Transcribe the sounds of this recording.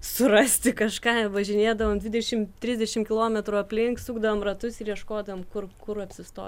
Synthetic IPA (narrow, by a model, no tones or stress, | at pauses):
sʊɾɐsʲt̪ʲɪkɐʃkɑːʋɐʒʲɪnʲeːd̪ɐʋoːmd̪ʲʋʲɪd̪ʲɛʃʲɪmt̪ʲɾʲɪzʲdʲɛʃʲɪmkʲɪlˠoːmʲɛt̪ɾuːɐpʲlʲɪŋksuːɡd̪ɐʋoːmrɐt̪ʊsɪɾiɛʃkoːd̪ɐʋoːmkʊrkʊɾɐpʲsʲɪst̪o̰ː